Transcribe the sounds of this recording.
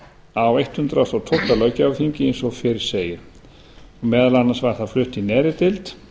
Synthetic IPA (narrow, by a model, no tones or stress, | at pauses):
avejht̪hʏnt̪ɾasawt̪ʰowht̪ːalœːɥcɪavθiɲcɪejnsɔfɪːɾɪɾ̥seːjɪɾ̥ | ɔɣmɛːðlanːasvaɣ̥θaðflʏht̪inɛːɾɪt̪ɪlt̪